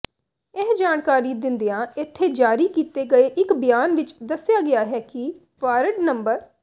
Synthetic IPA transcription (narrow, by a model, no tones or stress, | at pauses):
ɪɦd͡ʒaːnkaːɾiːd̪ɪnd̪ejãːɪt̪ʰːeːd͡ʒaːɾiːkiːt̪eːɡəeːʔɪkbɪjaːnʋɪt͡ʃd̪əsːɪjaːɡɪjaːɦɛːkɪ | paːɾəɖnəmbəɾ